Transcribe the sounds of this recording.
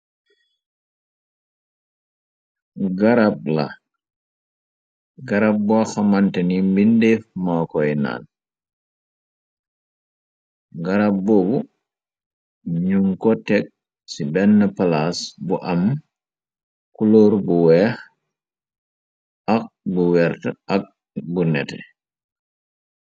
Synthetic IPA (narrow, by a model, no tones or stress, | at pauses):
ɡɐɾap̚lɐ̰ | ɡɐɾap̚buaxɐmɐntɛnimbindɛfmakɔjna̰ːn | ɡɐɾap̚bɔbu | ɲuŋkɔtɛk̚ | sibɛnːəpɐlasbuʔɐm | kulɔːɾbuwɛːx | ɐk̚buwɛɾtəʔɐk̚ | bunɛtɛ̰